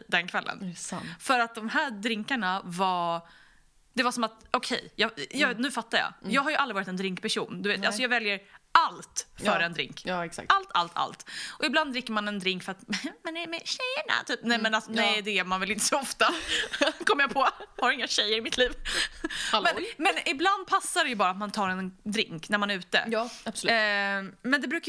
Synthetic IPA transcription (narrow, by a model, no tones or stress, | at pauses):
d̪ɛnkʰvɛlːə̰nfœɾat̪̚d̪ɔmɦæːɖ̪ɾɪŋkaɳavɑ | d̪̥ɛvasɔmat̪ʔɔkʰɛ̰jjɑjɑnʉ̟ːfat̪ːajɑ̰ːjɑːɡɦaɾjɵʔalɾɪɑːɾɪt̪ɛnd̪ɾɪŋkpæʂṵːnd̪ɵveːt̪alsɔjɑːɡvɛljəɾalt̪ffœɾɛnd̪ɾɪ̰ŋkːksa̰kʔalt̪ʰa̰lt̪ʰa̰lt̪ʔɔɪbland̪ɾɪkːəɾmanɛnd̪ɾɪŋkfœɾat̪mmɛnɛmɛɕɛjːəɳa̰t̪ʰyːp̚nɛmɛnasɔnɛjd̪ɛːmanvɪlɪnt̪əsɔɔft̪a | kʰɔmːəɾjapʰɔhaɾɪŋːaɕɛjːəɾɪmɪt̪ʰliːv | mɛnmɛnɪbland̪̚pʰasːadɛjɵbɑːɾaːt̪mant̪ʰɑːɾɛnd̪ɾɪŋknæɾmanɛɾʉ̟ːt̪ə̰jabs | mɛnd̪ɛbɾʉ̟ːk